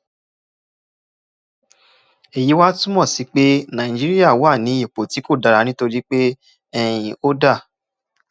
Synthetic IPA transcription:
e˨ji˨˦wa˦tũ˦mɔ̃˦˨si˨˦k͡pe˦nã˨ĩ˨d͡ʒi˦ɾi˦ja˦˨wa˦˨nĩ˨˦i˨k͡po˨ti˨˦ko˦˨da˨˧ɾa˨˧˦nĩ˦to˧ɾi˦k͡pe˦ | ɛ˧j̃ĩ˨o˦da˦˨

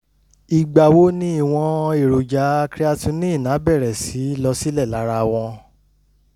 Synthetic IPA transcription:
i˨ɡ͡ba˨wo˨˦nĩ˦i˦˨w̃ɔ̃˧e˦˨ɾo˨d͡ʒa˨˦kɾi˦a˧tũ˧nĩ˦i˦˨nã˨˦bɛ˦˨ɾɛ˨si˨˦˨lɔ˧si˦lɛ˦˨la˨˦ɾa˧w̃ɔ̃˧

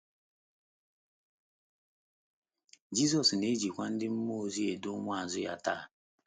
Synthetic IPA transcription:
d͡ʒi˦z̬ɔ˨sne˦d͡ʒi˨kʷa˦n̩˦dɪ˦m̩˦mo˦˨zi˦e˨dʊ˦mʷ˦a˦˨zʊ˦ja˦ta˦˨

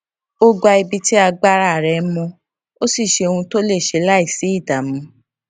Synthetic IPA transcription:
o˦ɡ͡ba˧i˧bi˧ti˦a˧ɡ͡ba˦ɾa˦˨ɾɛ˨˦mɔ̃˧ | o˦si˦˨ʃe˧o˧ũ˧to˦le˦˨ʃe˧la˦i˦˨si˨˦i˦˨da˨mũ˧˦

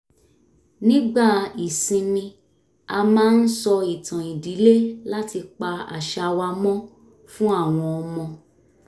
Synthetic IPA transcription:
nĩ˦ɡ͡ba˦˨i˨sĩ˧nĩ˧ | a˧mãː˦n̩˦sɔ˧i˨tã˨i˨di˨˦le˦la˦ti˧k͡pa˧a̰˨ʃa˧wa˧mɔ̃˦ | fũ˦a˦˨w̃ɔ̃˧ɔ˧mɔ̃˧

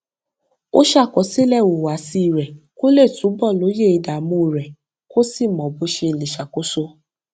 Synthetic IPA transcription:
o˦ʃa˦˨kɔ˨˦si˦lɛ˦˨wo˨wa˨si˧˨ɾɛ˨ko˦le˦˨tũ˨˦bɔ˦˨lo˨˦je˦˨i˧da˨mũ˧˨ɾɛ˨ | ko˦si˦˨mɔ̃˨bu˨˦ʃe˧˨le˨ʃa˨ko˦so˦

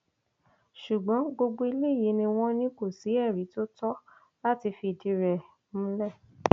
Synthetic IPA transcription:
ʃu˨ɡ͡bɔ̃˨˦ɡ͡bo˧ɡ͡bo˧i˧le˦˨ji˨˦nĩ˧w̃ɔ̃˦nĩ˦ko˦˨si˨˦ɛ˦˨ɾi˨˦to˦tɔ˦ | la˦ti˧fi˧˨di˧ɾɛ˨ | mũ˦lɛ˦˨

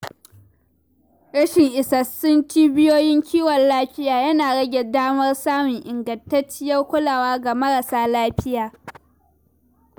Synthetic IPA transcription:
ɽɐ˦ʃɪ˨ŋʔɪ˨sɐ˨sʊ˦nt͡ʃiː˦bɪ˦joː˦jɪ˦ŋkʲʰiː˦wɐ˨llaː˦ɸɪ˦jaː˨jɐ˦naː˨ɽɐ˦ɡʲɛ˨daː˦mɐ˦rsaː˦mʊ˨ŋʔɪ˨ŋɡɐ˨ntɐ˦t͡ʃːɪ˦jɐ˦rkʷʊ˦laː˨waː˦ɡa˨mɐ˦ɽɐ˨saː˦laː˦ɸɪ˦jaː˨

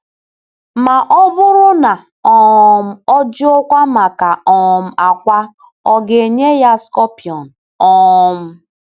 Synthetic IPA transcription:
ma˨ʔɔ˦bʊ˦ɾʊ˦na˨ | ɔ˨m̩˦ɔ˦d͡ʒʊ˦o˦kʷa˦ma˨ka˨ɔ˨m̩˨a˨kʷa˦ | ɔ˨ɡe˨ɲe˦ja˦skɔ˦pi˨ɔ˨n | ɔ˦m̩˦

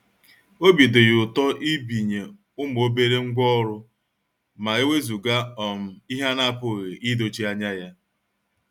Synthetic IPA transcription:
o˦bi˨dʊ˨jʊ˨tɔ˦ʔi˦bi˨ɲe˨ | ʊ˦m˨o˦be˦ɾe˦ŋ̩˦ɡʷɔ˦ɾʊ˦ | ma˨e˦we˦zu˨ɡa˦ɔ˨m̩˨i˦ɦa˦na˦pʊ˨ɣe˨ʔi˦do˨t͡ʃi˦a˦ɲa˦ja˦

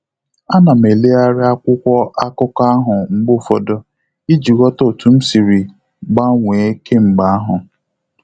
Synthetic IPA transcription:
a˦na˨m˨e˨le˦a˦ɾɪ˦a˦kʷʊ˦kʷɔ˦a˦kʊ˦ka˦ɦʊ˨ŋ͡m̩˨ɡ͡bʊ˦˨fɔ˨dɔ˦ | i˦d͡ʒi˨ɣɔ˦to˦˨tu˨m̩˦si˨ɾi˨ | ɡ͡ba˦ŋʷe˨˦ke˦ŋ͡m̩˨ɡ͡ba˨a˦ɦʊ˨

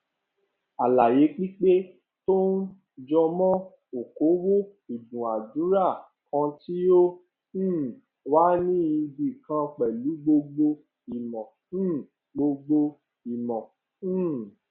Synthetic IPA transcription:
a˨la˨je˨˦k͡pi˦k͡pe˦ | to˦n˦ | d͡ʒɔ˧mɔ̃˦ | o˨ko˨˦wo˦i˨dũ˨a˨dũ˨˦ɾa˦˨ | kɔ̃˧ti˦õ˦˨ | waː˦nĩ˦i˧bi˨kã˧k͡pɛ˨lu˨˦ɡ͡bo˧ɡ͡bo˧ | i˨mɔ̃˨˦˨ | ɡ͡bo˧ɡ͡bo˧ | i˨mɔ̃˨˦˨

